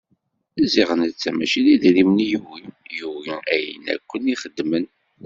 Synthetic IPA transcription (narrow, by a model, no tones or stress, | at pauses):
æziʁənət͡sːæmæʃiliðɾimnjuwijuwiæjə̰næ̰kʷːəniχəd̪ːmən